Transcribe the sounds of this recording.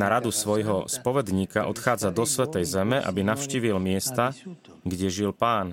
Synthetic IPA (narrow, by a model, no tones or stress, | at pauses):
aɾad̪usʋɔjɦɔspɔʋɛd̪ɲiːkaʔɔ̰t̪xaːd͡zad̪ɔsʋɛt̪ɛjzɛmɛʔa̰binafʃciːʋilmɪɛst̪a | ɡɟɛʒilpaːn